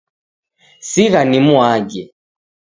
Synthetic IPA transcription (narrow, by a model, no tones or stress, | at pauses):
siɣanimuaɡɛ